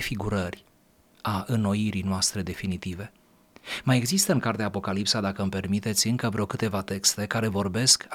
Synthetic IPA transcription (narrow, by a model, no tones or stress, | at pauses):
fiɡuɾərʲ | aʔɨnːo̞iɾijnoast̪ɾe̞d̪e̞finit̪ive̞ | maje̞ɡzist̪əɨŋkart̪eaːpo̞kalipsad̪akəɨmpe̞rmit̪e̞t̪sʲɨŋkəvɾeo̞wkɨt̪e̞vat̪e̞kst̪e̞kaɾe̞vo̞rbe̞sk